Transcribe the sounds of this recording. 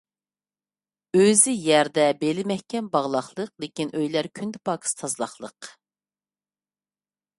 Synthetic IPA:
øzɪjɛɾd̪ɛbelɪmɛhkʲɛmbɑʁlˠɑχlˠəqlˠekʲinʔøjlæɾkʲʰynd̪ɪpʰɑkʰɨ̥st̪ʰɑzlˠɑχlˠəq

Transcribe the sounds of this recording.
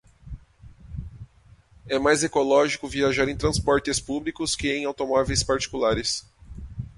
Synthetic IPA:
ɛmajzekolɔʒikʊviaʒaɾẽj̃t̪ɾɐ̃spɔɾt̪ɪspublikʊskɪẽj̃awt̪omɔvejspaɾt͡ʃi̥kulaɾɪs

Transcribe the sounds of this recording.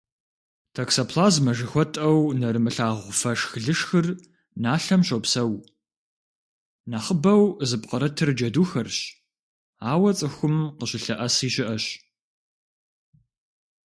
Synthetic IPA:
tʰɐksɐpʰlaːzmɐʒɪxʷɔtʼɐwnɐɾɨmɨɬaːʁʷʊfɐʂxɨɮɨʂxɨr | naːɬɐmɕopsɐw | naːχəbɐwzɨpʼqɐɾɐtʰɨrd͡ʒɐduːxɐrɕ | aːwɐt͡sʼɨxʷʊmqəɕɪɬɐʔɐsiːɕɪʔɐɕ

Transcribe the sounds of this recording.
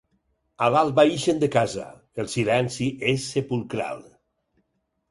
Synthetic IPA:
alalˠβaiʃend̪ekaza̰ | elˠsilɛnsiʔesːepulˠkɾa̰lˠ

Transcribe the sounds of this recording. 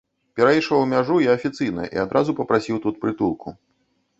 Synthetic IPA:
pʲɛɾajiʂɐwmʲaʐujiɐfʲit̪sɨjnɐ̰ʔḭad̪ɾʔazupɐpɾasʲiwt̪ut̪̚pɾɨt̪ulˠkʰu

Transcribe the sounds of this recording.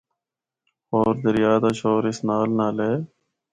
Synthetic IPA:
oːɾd̪əɾɪjaːd̪aːʃoːɾɪsnaːlnaːleː

